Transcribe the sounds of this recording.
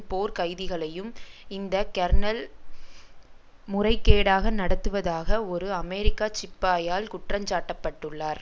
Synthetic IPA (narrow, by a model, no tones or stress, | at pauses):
poːɾkɐɪðɪɣɐɭɐjɯmɪnd̪ɐkɐɾɳɐl | mʊrɐɪkːeːɽaːɣɐnɐɽɐt̪ːɯʋɐðaːɣɐɔɾɯɐmɛɾɪkːaːt͡ʃɪpːaːjaːlkʊʈrɐmt͡ʃaːʈːɐpːɐʈːɯɭːaːɾ